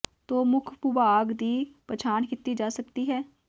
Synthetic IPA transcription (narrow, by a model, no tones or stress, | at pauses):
t̪oːmʊkʰpʊbaːɡd̪iːpət͡ʃʰaːnkɪt̪ːid͡ʒaːsəkt̪iːɦɛː